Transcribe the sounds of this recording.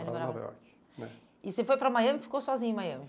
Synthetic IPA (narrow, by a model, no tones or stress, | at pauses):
ɾbɛ̰ɾt͡ʃ | nɛ̰ | ɪsefojpɾɐmajɐ̃mɪfi̥kosɔzĩɲɐmajɐ̃mɪ